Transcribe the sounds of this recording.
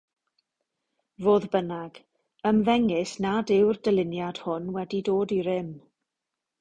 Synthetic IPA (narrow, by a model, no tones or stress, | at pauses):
voːðbənaɡ̥ | əmvɛŋɪsnadɪwrdəlɪnjad̥hʊnwɛdidoːdiɾɪm